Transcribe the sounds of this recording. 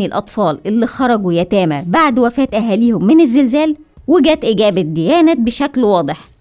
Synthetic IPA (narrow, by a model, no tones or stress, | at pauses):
ilʔɑt̪ˤfɑːlʔelːixɑɾˤɑɡujæt̪æːmæbaʕd̪wæfæːt̪ʔæɦæːliːhʊmːɪnezːelzæːlweɡæːt̪ʔɪɡæːbæd̪ejæːnæt̪̚beʃæklwɑːd̪ˤeħ